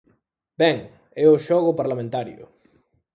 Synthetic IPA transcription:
bɛŋ | ɛʊʃɔɣʊpaɾlamẽnt̪aɾjʊ̰

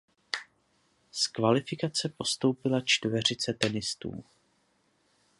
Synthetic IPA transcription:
skvalɪfɪkat͡sɛpo̞st̪o̞wpɪlat͡ʃt̪vɛr̝ɪt͡sɛt̪ɛnɪst̪ṵːm

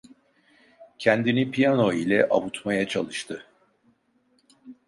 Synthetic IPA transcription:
cʰænd̪inipʰijano̞ilʲɛʔa̰βut̪majat͡ʃʰalˠɯʃt̪ʰɯ

